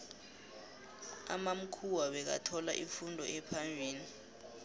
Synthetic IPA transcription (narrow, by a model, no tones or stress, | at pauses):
a̰mam̩kʰuwaɓɛk̬a̰tʰɔla̰ʔifundʱɔ̰ʔɛpʰambʱiːni